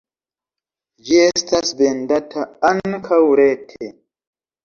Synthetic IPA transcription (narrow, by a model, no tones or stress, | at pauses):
d͡ʒestasbendatʰaankʰawuɾetʰe